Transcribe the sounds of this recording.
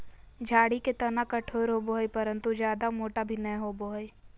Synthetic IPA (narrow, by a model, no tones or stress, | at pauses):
d͡ʒʱaːɽiket̪ɐnakɐʈʰoːɾɦoboɦipɐɾə̃nt̪ud͡ʒjaːd̪amoːʈabʱinɛ̃ɦoboɦi